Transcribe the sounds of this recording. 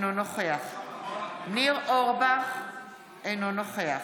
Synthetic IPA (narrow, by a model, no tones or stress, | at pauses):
nonoχeaχ | niʁʔoʁba | enonoχea